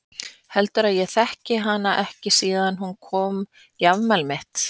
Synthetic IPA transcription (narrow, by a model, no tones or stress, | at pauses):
hɛlt̪ʏɾaðjɛθɛhcɪɦanːaʔɛhcɪsiːðanhunkʰɔːm | javmɛlmɪht̪